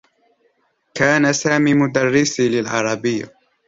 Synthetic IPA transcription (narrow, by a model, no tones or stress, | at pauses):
kaːnasaːmiːmʊd̪arːɪsilɪlʕɑɾˤɑbɪjːa̰